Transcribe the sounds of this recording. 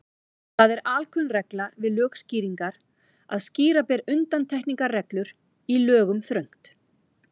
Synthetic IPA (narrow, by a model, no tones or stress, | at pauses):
θaðɛɾaːlkʰʏnrɛklavɪðlœːxsciːɾiŋkaɾ | aðsciːɾapɛɾʏnt̪ant̪ʰɛhkniŋkarɛklʏɾ | ilœːɣʏmθɾœjŋ̥t̪